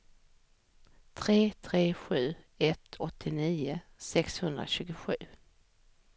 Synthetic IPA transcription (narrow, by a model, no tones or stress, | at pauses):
t̪ʰɾeːt̪ʰɾeːɧʉ̟ː | ɛt̪ʰɔt̪ʰːɪniːʊsɛkshɵnd̪ɾa̰ɕʉ̟ːɡʊɧʉ̟ː